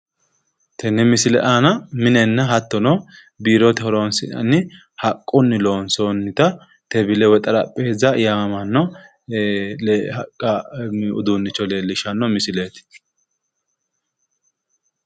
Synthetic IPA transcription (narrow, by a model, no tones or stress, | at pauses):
t̪ʰɛnːɛmɪsɪlɛ̰ʔaːnɐmɪnɛnːɐɦɐt̪ːɔnɔ | biːɾot̪ɛhɔɾoːnsɪɐ̰nːɪ | hɐkʼːʊnːɪloːnsonːɪt̪ɐ | t̪ɛbɪlɛwɛt̪ʼɐɾɐpʼːeːzɐjaɐmɐnːɔ | lhɐkʼːɐʊ̰d̪unːɪt͡ʃːɔle̞ːlːɪʃɐnːɔmɪsɪlet̪ɪ̥